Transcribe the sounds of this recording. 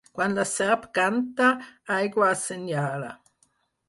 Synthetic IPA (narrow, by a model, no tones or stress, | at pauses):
kwand̪lasɛʁpkant̪aajɡwaːsenjaːla